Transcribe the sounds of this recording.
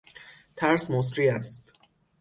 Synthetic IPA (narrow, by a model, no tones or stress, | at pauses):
t̪ʰæɾsmos̬ɾiːæst̪